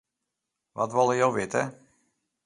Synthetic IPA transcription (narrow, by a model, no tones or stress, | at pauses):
ʋɑ̰tʋolˠəjowʋɪtə